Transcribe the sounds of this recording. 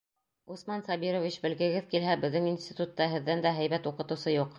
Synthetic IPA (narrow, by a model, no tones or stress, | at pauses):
usmɑnsɑbiɾovʲit͡ɕbɘ̆lɡɘ̆ɡɘðkilɦæbɘ̆ðːɘŋinsʲt̪ʲit̪ut̪ːɑɦɘ̆ðːænd̪æɦæjbæt̪uqɤ̆t̪ɤ̆wsɤjuq